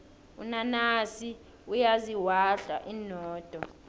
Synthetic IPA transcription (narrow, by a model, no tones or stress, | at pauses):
ṵnanasi | ujaziwaɬa̰ʔinɔːd̥ʱʼɔ